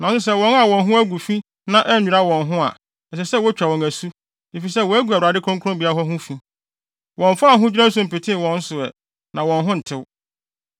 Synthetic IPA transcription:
nã˨sʊ˦sɛ˦wɔ̃˨˦na˨wɔ̃˨nɦʊ̃˦æ˦ɡu˨fi˦ | nã˦ʔɛ˦nũ˨ɾa˦wɔ̃˨nɦʊ̃˦a̰˨ | ɛ˨s̬ɛ˨sɛ˦˨wɔ˦t͡ɕᶣa˨wɔ̃˨ŋæ˨su˦ | e˨fi˨sɛ˦wɔ˨˦æ˦ɡʷu˨a˨u˨ɾa˨dɪ˦kʰɔ̃˦ŋkʰʊ̃˦mbi˨a˦ɦɔ˦ɦʊ̃˦fĩ˦ | wɔ̃˨ɱ˨fa˦a˨ɦʊ̃˦d͡ʑᶣi˦ɾã˦n̩˦s̬ʊ̃˨m̩˨pe˨tʰɪ̃˦˨wɔ̃˨n̩˦sʊ˨ɛ̰˨ | nã˨wɔ̃˨nɦʊ̃˦n̩˨tʰɪ˦w

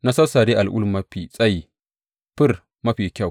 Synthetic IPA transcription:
na˦sɐ˦sa˨ɾi˦ʔa˨lʔʊ̰˦lmɐ˦ɸi˨sʼɐ˦ji˨ | ɸɪ˦r | mɐ˦ɸiː˨kʲa˦˨w

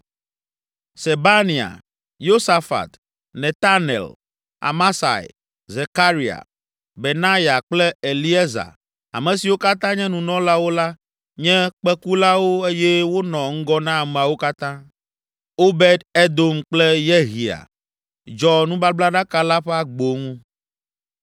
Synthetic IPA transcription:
se˨ba˦nĩ˨a̰˨ | jo˦sa˨fa̰˨t̪ | nɛ̃˨t̪a˦nḛ˨l | a̰˨ma˦sa̰˨j | ze˨ka˦ɾi˨a̰˨ | be˨nã˦ja˨k͡plɛ˦e˨li˦ɛ˦za̰˨ | a̰˨mɛ̃˨si˨wo˦ka˦t̪ã˦ɲɛ̃˦nũ˨nɔ̃˦la˦wo˦la˦ | ɲɛ̃˦k͡pɛ˦ku˦la˦wo˦e˦jɛ˦wo˦nɔ̃˨ŋ̩˦ɡɔ˦nã˦˨mẽ˨a˨wo˦ka˦t̪ã˦ | o˦be˦d̪e˦d̪o˦mk͡plɛ˦jɛ˦ɦi˨a̰˨ | d͡ʒɔ˨nũ˦ba˦bla˦ɖa˦ka˦la˦ɸɛ˦a˦ɡ͡bo˨ŋũ˦

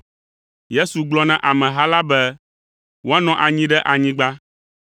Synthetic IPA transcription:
je˦su˨ɡ͡blɔ˦nɛ̃˨ʔa˨mɛ̃˨ɦa˦la˦bɛ˦ | wo˦a˦nɔ̃˦ʔa˨ɲĩ˦ɖɛ˦ʔa˨ɲĩ˦ɡ͡ba˦

